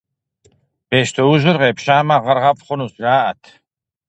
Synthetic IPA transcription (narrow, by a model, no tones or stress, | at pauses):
b̥ɛʃt̪ʰɔuʒəɾʁɛpʰʃaːmaʁaɾʁapχɔnusɡaːat̪ʰ